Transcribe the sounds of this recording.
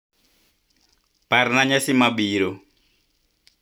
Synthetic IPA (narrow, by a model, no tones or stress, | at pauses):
parnaɲasimabiɾo